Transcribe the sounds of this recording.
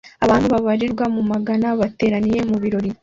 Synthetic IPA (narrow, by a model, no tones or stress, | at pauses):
aβaːnhuβaβaɾiɾɡwamumaɡanaβate̞ːɾanije̞muβiɾo̞ɾi